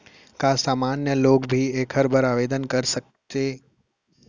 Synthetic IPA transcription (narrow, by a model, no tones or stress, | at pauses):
kasaːmaːnjəloːkbʱieːkʰəɾbəɾaːʋeːd̪ənkɐɾsək̚t̪e